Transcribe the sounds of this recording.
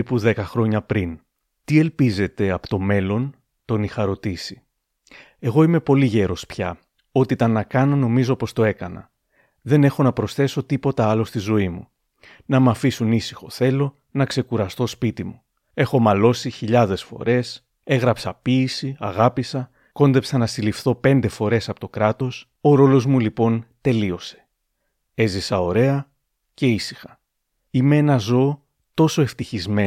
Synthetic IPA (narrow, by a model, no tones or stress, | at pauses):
ipuðe̞kɐxɾo̞ɲɐpɾin | t̪ie̞lpize̞t̪e̞ɐpo̥t̪o̞me̞lo̞n | t̪o̞nixɐɾo̞t̪isi̥ | e̞ɣo̞ime̞po̞liʝe̞ɾo̞spçɐ | o̞t̪it̪ɐnːɐkɐno̞no̞mizo̞po̞st̪o̞e̞kɐnɐ̰ | ðe̞ne̞xo̞nɐpɾo̞sθe̞so̞t̪ipo̞t̪ɐɐlost̪izo̞imṵ | nɐmɐfisunisi̥xo̞θe̞lo̞ | nɐkse̞kuɾɐst̪o̞spit̪imu | e̞xo̞mɐlo̞siçiʎɐðe̞sfo̞̰ɾe̞s | e̞ɣɾɐpsɐpiːsiɐɣɐpisɐ | ko̞nd̪e̞psɐnɐsilifθo̞pe̞nd̪e̞fo̞ɾe̞sɐpo̞t̪o̞kɾɐt̪o̞s | o̞ɾo̞lo̞zmulipo̞nt̪e̞lio̞se̞̥ | e̞zisɐo̞ɾe̞ɐ | ce̞isi̥xɐ̥ | ime̞enɐzo̞ː | t̪o̞so̞e̞ft̪içizme